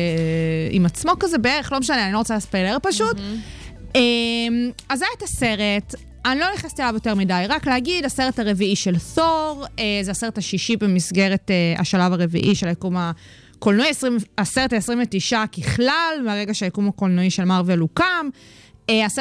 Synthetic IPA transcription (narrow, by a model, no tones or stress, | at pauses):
ḭmat͡smo̞kazebeeʁeχlomeʃaneanilo̞ot͡salispajleʁpaʃut | emazajatase̞ʁet | anilo̞neχast̪ialavjo̞te̞ʁmidajʁaklehaɡidase̞ʁetaʁe̞viiʃelθoʁezeaseʁethaʃiʃibemisɡe̞ʁetea̰ʃalavaʁe̞vḭʔiʃelajekuma | kolnuiesʁiaseʁetaesʁĩmvetiʃakiχlalmeaʁeɡaʃeajekumakolnuiʃe̞lmaʁvelukamease